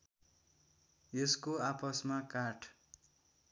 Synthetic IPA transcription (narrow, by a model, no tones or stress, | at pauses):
jʌskoapʌsmakarʈʰ